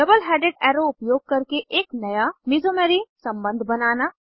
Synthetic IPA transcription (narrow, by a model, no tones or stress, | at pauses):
ɖɐbəlɦɛːɖeːɖɛːɾoʊpjoːɡ̚kɐɾkeʔeːknɐjamizoːmeɾisɐ̃mbə̃nd̪ʱbɐnaːna